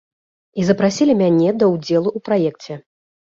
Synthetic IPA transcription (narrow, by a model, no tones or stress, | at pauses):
izɐpɾasʲilʲimʲanʲɛd̪ɐwd͡zʲɛlˠuʔupɾajɛkt͡sʲɛ